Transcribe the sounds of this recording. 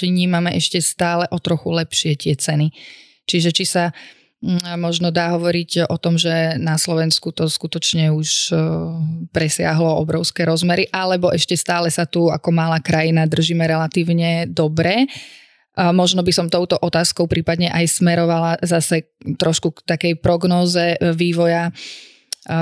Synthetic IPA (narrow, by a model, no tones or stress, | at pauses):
t͡ʃiɲiːmamɛʔɛʃcɛst̪aːlɛʔɔt̪ɾɔxulɛpʃɪɛt̪ɪɛt͡sɛni | t͡ʃiʒɛt͡ʃisa | mɔʒnɔd̪aːɦɔʋɔɾiɟɔt̪ɔmʒɛnaslɔʋɛnskut̪ɔskut̪ɔt͡ʃɲɛuʃ | pɾɛsɪa̰ɦlɔɔ̰bɾɔʊskɛːɾɔzmɛɾiʔalɛbɔʔɛʃcɛst̪aːlɛsat̪ua̰kɔmalaːkɾajinad̪r̩ʒiːmɛɾɛlat̪iːʊɲɛd̪ɔbɾɛ | mɔʒnɔbisɔmt̪ɔʊt̪ɔʔɔt̪aːskɔʊpɾiːpad̪ɲɛʔajsmɛɾɔʋalazasɛ | t̪ɾɔʃkukt̪akɛjpɾɔɡnɔːzɛʋiːʋɔja